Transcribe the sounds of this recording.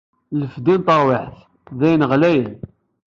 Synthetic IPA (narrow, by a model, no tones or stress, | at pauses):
ləfd̪int̪ˤɑɾˤwɪħθ | ðæjənʁlæjən